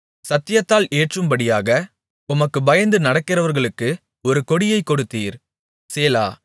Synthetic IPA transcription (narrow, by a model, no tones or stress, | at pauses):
sɐt̪ːɪjɐt̪ːaːleːʈrɯmbɐɽɪjaːɣɐ | ʊmɐkːɯbɐjɐnd̪ɯnɐɽɐkːɪrɐʋɐɾɣɐɭɯkːɯ | ɔɾɯkɔɽɪjɐɪkːɔɽɯt̪ːiːɾ | seːla̰ː